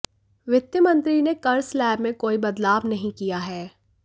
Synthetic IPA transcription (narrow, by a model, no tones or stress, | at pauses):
ʋɪt̪jəmɐ̃nt̪ɾinekɐɾslɛːbmẽkoːibɐd̪laːbnɐɦĩkijaɦɛː